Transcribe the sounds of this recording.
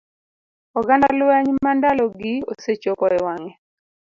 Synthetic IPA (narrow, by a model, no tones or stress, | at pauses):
ɔɡandalwɛɲmandalɔɡɪo̰set͡ʃokɔɾɛwaŋɛ